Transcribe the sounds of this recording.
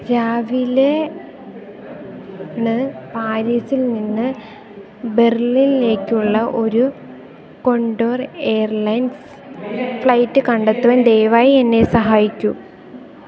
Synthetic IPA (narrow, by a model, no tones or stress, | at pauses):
ɾaːʋile | nɨpaːɾiːsilninːɨ | be̞rlinle̞ːkʲːuɭːɐʔo̞ɾu | ko̞ɳɖoːre̞ːjɐrɭɐjns | fɭɐjtːɨkɐɳɖet̪ːuʋɐnd̪e̞jʋaːjienːe̞sɐɦaːjikʲːu